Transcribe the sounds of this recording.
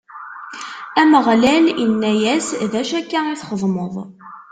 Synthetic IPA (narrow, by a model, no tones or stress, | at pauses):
æməʁlælənːæjæsðæʃækːaæiθχəðˤməðˤ